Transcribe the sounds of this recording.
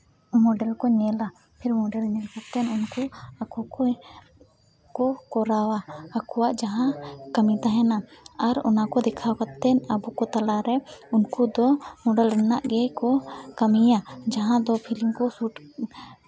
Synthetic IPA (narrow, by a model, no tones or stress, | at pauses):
mɔɖɛlkɔɲɛla | pʰɛɾmɔɖɛlɲɛlkat̪ɛnunkuakʰukɔ | kɔkɔɾawaːkʰɔwaʔd͡ʒaɦãkamit̪aɦɛnaaɾɔ̰nakɔd̪ɛkʰawkat̪ːɛnabukɔt̪alaɾɛunkud̪ɔmɔɖɛlɾɛnaʔɡɛkɔkamijad͡ʒaɦãd̪ɔpʰiliŋkɔsuʈ